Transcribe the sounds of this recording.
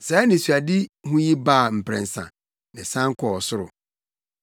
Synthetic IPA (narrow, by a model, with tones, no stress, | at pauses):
saː˨˦nɪ̃˨su˨a˨dɪ˦hũ˦ji˦baː˦˨m̩˨pʰɾɛ̰̃˨n̩˨sã̰˨ | nɪ̃˨sã˦ŋ̩˦kʰɔ˨ɔ˨sʊ˦ɾʊ̰˨